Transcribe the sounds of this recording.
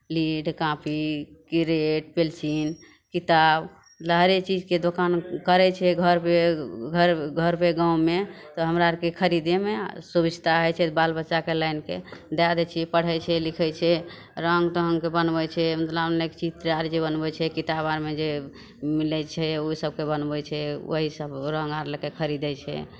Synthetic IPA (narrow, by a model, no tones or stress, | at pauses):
liɖkãpʰikiɾeʈ̚pelsin | kit̪ab | ləɦɾet͡ʃid͡ʒked̪okankəɾɛt͡ʃʰɛɡʱəɾpeɡʱəɾɡʱəɾpeɡaũmet̪ɔɦəmɾakekʰəɾid̪emesubid͡ʒʱt̪aɦəjt͡ʃʰɛbalbətːʃakelainked̪ad̪ɛt͡ʃʰiɛpəɽ̤ɛjt͡ʃʰɛlikʰɛjt͡ʃʰɛ | ɾəŋɡt̪əɦəŋkebənbɛt͡ʃʰɛmət̪ləbnekt͡ʃid͡ʒt̪ɾijaɾd͡ʒebənbɛt͡ʃʰɛkit̪abaɾmed͡ʒe | milɛt͡ʃʰɛosəb̚kebənbɛt͡ʃʰɛo̰ɦisəbɾə̃ŋɡaɾləkekʰəɾid̪ɛt͡ʃʰɛ̰